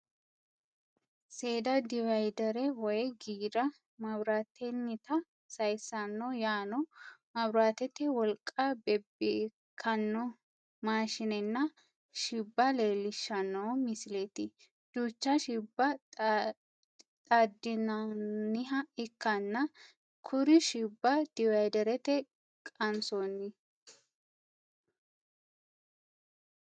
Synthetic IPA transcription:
seːd̪ɐd̪ɪvɐjd̪ɐɾɛwɔjɡiːɾɐ | mɐbɾaːt̪ʰːɛnːɪt̪ɐ | sɐjsɐnːɔjaːnɔmɐbɾaːt̪ɛt̪ːɛwɔlkʼːabɛbe | kʰːɐnːɔ | maːʃɪnɛnːɐ | ʃɪbːɐle̞ːlɪʃːɐnːoːmɪsɪleːt̪ɪ | d̪̥uːt͡ʃːɐʃɪbːɐ | t̪ʼɐd̪ːɪnɐnɪɦɐɪkːɐnːɐ | kʰʊɾɪʃɪbːɐd̪̥ɪwɐjd̪ɛɾɛt̪ɛ | kʼɐnsonːɪ

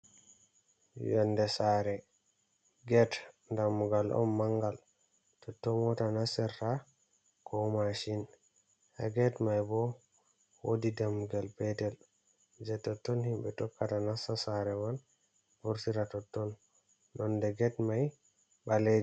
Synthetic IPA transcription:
jɛndɛsaɾɛ | ɡɛtndamːuɡalʔɔ̰nːaŋɡal | tɔtːɔmɔtanasɛɾta | kʰɔmaʃin | ha̰ɡɛtmajbɔ | wodidamːuɡalpɛtɛl | d͡ʒɛtːɔtːɔnhimɓɛtɔkːatanasasaɾɛwan | buɾtiɾatɔtːɔnː | ɔndɛɡɛtmaj | ɓaled͡ʒ

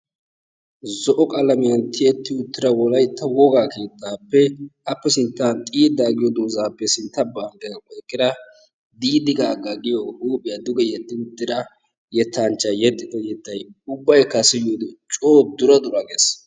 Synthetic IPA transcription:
zɔʔɔkʼɐlɐmɪjɐnt̪ʰɪɛt̪ːɪʊt̪ːɪɾɐwɔlɐjt̪ːɐwɔɡaːke̞ːt̪ʰːaːpːɛɐpːɛsɪnt̪ːaːnt̪ʼiːd̪aːɡɪjɔd̪oːzaːpːɛsɪnt̪ːɐbaːŋɡɐɐkʼɔjkʼːɪd̪ɐ | d̪iːd̪ɪɡaːɡɐɡɪjɔʔuːpʼɪjad̪ʊɡɛjɛd̪ːɪnd̪ɪɾɐ | jɛt̪ːant͡ʃːɐjɛt̪ʼːɪd̪ɐjɛt̪ːɐjʊbːɐjkːɐsɪjod̪ɪt͡ʃʼoːd̪ʊɾɐd̪ʊɾɐɡes

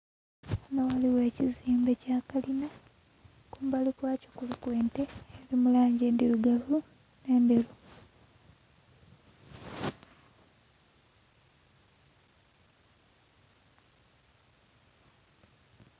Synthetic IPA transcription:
nawaliwe̞ːciziːmbe̞caːkalina | kuːmbalikwaːcokulukweːnte̞ːɾimulaːɲɟeːndiɾuɡavu | ne̞ːnde̞ɾu

